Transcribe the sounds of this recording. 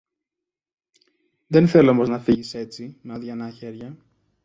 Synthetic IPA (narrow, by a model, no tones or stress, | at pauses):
ðe̞nθeloomo̞znɐfiʝise̞t͡simeɐðʝɐnɐçe̞ɾʝɐ